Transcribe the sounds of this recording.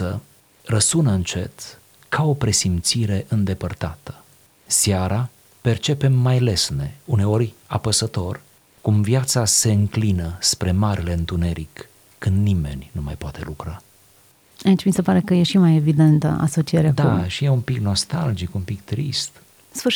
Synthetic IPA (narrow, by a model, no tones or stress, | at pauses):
ə | rəsunəɨnt͡ʃe̞t̪ | kʰao̞pɾe̞simt̪siɾe̞ʔɨnd̪e̞pərt̪at̪ə̥ | sjaɾa | pe̞rt͡ʃe̞pe̞mːajle̞sne̞une̞o̞rʲa̰pəsət̪o̞r | kumvjat̪sase̞ɨŋklinəspɾe̞maɾʔile̞ɨnt̪une̞ɾikː | ɨnd̪nime̞̰nʲnuma̰jpoat̪e̞̰lukɾa | ait͡ʃʲmisepaɾe̞kəje̞ʃimajevid̪e̞nt̪ə̰a̰so̞t͡ʃijeɾead̪auʃije̞umpikno̞st̪ald͡ʒikumpikt̪ɾḭst̪ | sfɨ